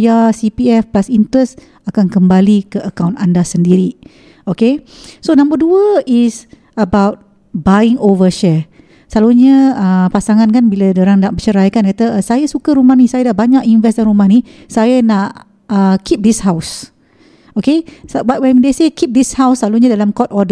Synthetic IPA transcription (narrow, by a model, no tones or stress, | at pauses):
jasipiɛfplasint̪ɾəs | akankəmbalikəʔəkawntandasəndiɾi | okesonãmbəduəis | əbawt̚ | baĩŋovəʃɛ | slaluɲəəpasaŋãnkanbiladəɾaŋdaʔbət͡ʃəɾajkankat̪əsajəsukəɾumahnisajadaʔbaɲakinvɛsdanɾumãni | sajənaʔ | əkʰip̚dishaws | okeswat̚wɛmidesekip̚dishawslaluɲãdalamkɔt̚ɔdə